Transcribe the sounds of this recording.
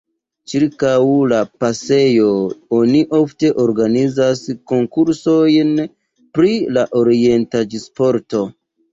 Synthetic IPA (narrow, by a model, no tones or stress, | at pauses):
t͡ʃiɾkawlapase̞jo̞o̞niʔo̞fte̞ʔoɾɡanizasko̞ŋkuɾso̞jn | pɾilaʔo̞ɾie̞ntad͡ʒispo̞ɾto̞